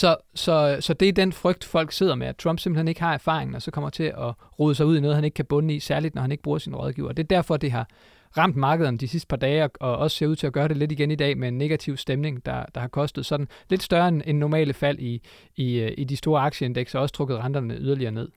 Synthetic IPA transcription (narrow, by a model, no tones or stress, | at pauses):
sɒ̽sɒ̽sɒ̽d̥e̝æɐd̥enfʁœɡ̥d̥fɒ̽l̰ɡ̥se̝ð̰ɐmeæt͡sʰʁɑ̽m̰b̥se̝mb̥l̩hene̝ɡ̥hɑ̈æɐfɑ̰̈ːʁe̝ŋn̩ɒ̽sɒ̽kʰɒ̽m̰ɐ̥t͡sʰe̝ʔɒʁuːðˠəs̬ɑ̈ɪuðˠinɔ̽ːð̞ˠhæne̝ɡ̥kʰæb̥ɔ̽nəisæɐlid̥nɒhæneɡ̥əb̥ʁuːɐsinʁɒð̞ˠɡ̥ḭːʊɐd̥e̝ɐd̥æɐ̰fɒ̽d̥iɦɑ̈ | ʁɑ̈m̰d̥mɑ̈ːɡ̥əð̞ˠɐnəd̥isisd̥əpʰɑ̈d̥ɛːɒɒ̽ɒ̽sə̥se̝ɐuð̰ˠt͡sʰe̝æɡ̥ɶːɐɾe̝le̝diɡ̥enid̥ɛ̰ːmeenːe̝ɡ̥æt͡sʰiʊ̰sd̥emne̝ŋd̥ɑ̈d̥ɑ̈hɑ̈kʰɒ̽sd̥ð̩ˠsɒ̽d̥n̩le̝d̥sd̥ɶɐenenːɒmɛ̰ːləfæl̰ʔiː | ʔidisd̥o̝ːɐɑ̈ɡ̥ɕəe̝nd̥eɡ̥sɒɒ̽sə̥t͡sʰʁɔ̽ɡ̥ð̩ˠʁɑ̈nd̥ɐnəyð̞ˠɐliɐːne̝ð̰ˠ